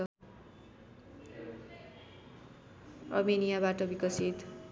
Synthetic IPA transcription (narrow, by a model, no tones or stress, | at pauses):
romenijabaʈʌbikʌsit̪